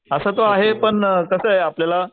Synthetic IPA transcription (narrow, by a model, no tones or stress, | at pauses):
əsəːt̪oaɦepəɳkəsəːɦeapljala